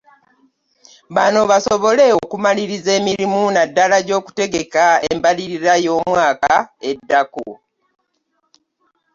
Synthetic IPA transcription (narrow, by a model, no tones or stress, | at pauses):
βano̞βasoβo̞le̞okumaliɾize̞ːmiɾimunadːalaɟo̞ːku̥te̞ɡe̞kaembaliɾiɾajo̞ːmwaːkaedːako̰